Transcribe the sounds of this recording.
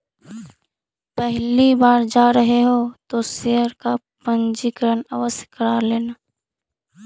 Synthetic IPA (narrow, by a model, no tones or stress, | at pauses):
pɛɦlibaːɾd͡ʒaːɾəɦeɦoːt̪oseːəɾka | pə̃nd͡ʒikəɾənaʋəskəɾaːɾleːnaː